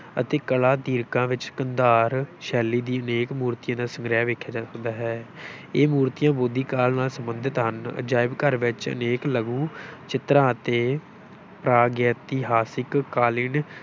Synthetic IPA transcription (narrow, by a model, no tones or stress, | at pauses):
ə̰t̪eːkəlaːd̪iːɾkãːʋɪt͡ʃkənd̪aːɾʃɛːliːd̪iːəneːkmuːɾt̪ɪjãːd̪aːsəŋɡɾjaːʋeːkʰːjaːd͡ʒaːsəknd̪aːɦɛː | eːmuːɾt̪ijãːboːd̪iːkaːlnaːlsəmbənd̪ɪt̪ɦənd͡ʒaːɪbkəɾʋɪt͡ʃə̰neːkləɡũːt͡ʃɪt̪ɾãːət̪eː | pɾaːɡəːt̪iːɦaːsɪkːaːlɪn